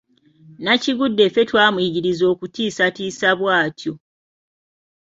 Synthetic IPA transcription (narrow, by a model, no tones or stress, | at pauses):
naciɡudːe̞fetwaːmwiːɟiɾizo̞ːkutiːsatiːsaβwaːtjo̞